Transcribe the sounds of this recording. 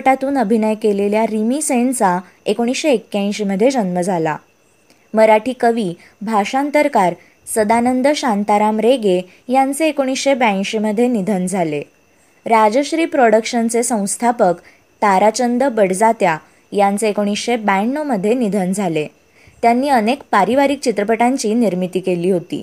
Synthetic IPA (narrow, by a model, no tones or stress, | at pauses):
ʈat̪uːnəbʱinəjkeleljaɾimisent͡sa | ekoɽ̃isɕeːkːjãj̃ɕeməd̪ʱːjed͡zənməd͡zʱala̰ | məɾaʈʰiːkəʋiː | bʱaʂant̪əɾkaɾ | səd̪anənd̪əɕant̪aɾamɾeɡe | jant͡seːkoɽ̃isɕebãɕeməd̪ʱːjenid̪ʱənd͡zʱale | ɾad͡zəɕɾiːpɾoɽəkɕənt͡sesə̃w̃st̪ʰapək | t̪aɾat͡ɕənd̪əbəɽd͡zat̪ja | jant͡seekoɽ̃isɕebɛɳːoməd̪ʱːjenid̪ʱənd͡zʱale | t̪janːiːənekpaɾiʋaɾik̚t͡ɕit̪ɾəpəʈaɲt͡ɕiːniɾmit̪iːkeliːɦot̪ḭː